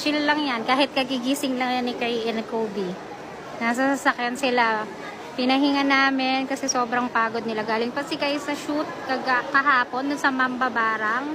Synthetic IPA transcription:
sɪlalɐŋjankaːɦɪt̪̚kɐɡiɡiːsɪŋlɐŋjanɪkɐjʔɛnkoːbi | nɐsɐsɐsɐkjansɪla | pɪnɐɦɪŋanaːmɪnkɐsɛso̞ːbɾɐŋpaːɡo̞d̪̚nɪlaɡaːlɪŋpɐsɪkajsɐʃut̪̚kɐɡakɐɦaːpo̞nd̪ʊnsɐmambɐbaːɾaŋ

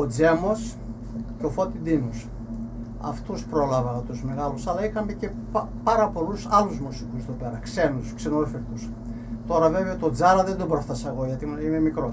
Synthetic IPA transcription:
od͡ze̞mo̞s | ceo̞fo̞t̪id̪inus | ɐ̰ft̪uspɾo̞lɐvɐt̪uzme̞ɣɐlusɐlɐixɐme̞ce̞ | p | pɐɾɐpo̞lusɐluzmusikuzðope̞ɾɐkse̞nuskse̞noɾfeɾt̪us | t̪o̞ɾɐve̞veot̪od͡zɐɾɐðed̪o̞bɾoft̪ɐsɐɣo̞ʝɐt̪iime̞mikɾo

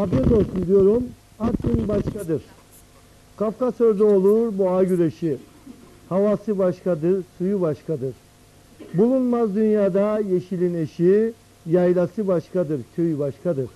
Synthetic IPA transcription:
abɛd̪osund̪ijo̞ɾum | ant̪ɯnbaʃkʰad̪ɯɾ̥ | kʰafkasøɾd̪ɛolˠuɾbuaɟyɾe̞ʃi | havasɯbaʃkʰad̪ɯɾsujubaʃkʰad̪ɯɾ̥ | bulˠunmazd̪ynjaːd̪aje̞ʃilʲine̞ʃi | jajlʲˠasɯbaʃkad̪ɯɾt̪ʰøjbaʃkʰad̪ɯɾ̥

